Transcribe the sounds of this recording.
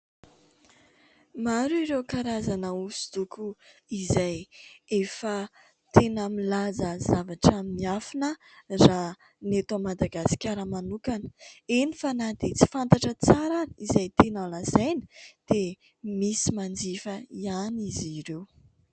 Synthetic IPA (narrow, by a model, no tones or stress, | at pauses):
maɾuiɾewkaɾazanəusu̥d̪ukuizajefə | t̪enəmilazəzavaʈ͡ʂaminiafinə | ra | net̪amad̪aɡasi̥kʲaɾəmanukanə̥enifanad̪et͡si̥fant̪aʈ͡ʂət͡saɾanizajt̪enəlazajnə̥d̪̥e | misimand͡zifəianiziɾew